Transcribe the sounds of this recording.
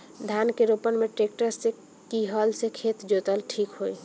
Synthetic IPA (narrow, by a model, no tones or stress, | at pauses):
d̪ʱankeɾopənmeʈɾek̚ʈəɾsːe | kiɦəlsekʰet̪d͡ʒot̪əlʈʰikɦoj